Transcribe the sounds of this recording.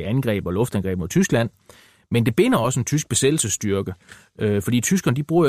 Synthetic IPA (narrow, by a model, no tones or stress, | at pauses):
ænɡ̥ʁɛ̰ːb̥ɒ̽lɔ̽fd̥ænɡ̥ʁɛ̰ːbmot͡sʰysɡ̥læn̰ | mend̥e̝b̥e̝n̰ɐɒ̽səe̝nt͡sʰysɡ̥̚b̥e̝sed̥l̩səsd̥yɐɡ̥ə | ʔøfɒ̽d̥ḭːt͡sʰys̬ɡ̥ɐnəd̥ib̥ʁuːɐ